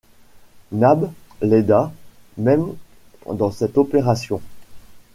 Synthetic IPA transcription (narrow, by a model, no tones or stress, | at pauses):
nablɛd̪a | mɛm | d̪ɑ̃sɛt̪ɔpeʁasjɔ̃